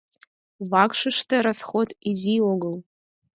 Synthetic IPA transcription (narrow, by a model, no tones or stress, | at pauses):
wakʂɨʂtʰɐɾasχodizioɡɨl